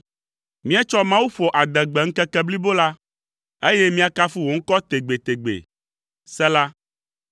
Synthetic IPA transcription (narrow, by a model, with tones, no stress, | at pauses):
mĩ˦a˦t͡ʃɔ˦mã˦wu˦ɸɔ˨ʔa˨d̪ɛ˨ɡ͡bɛ˨ŋ̩˦kɛ˦kɛ˦bli˦bo˦la˦ | e˦jɛ˦mĩ˦a˦ka˦fu˦wo˨ŋ̩˦kɔ˦t̪e˨ɡ͡be˨t̪e˨ɡ͡bḛ˨ | sɛ˦la˦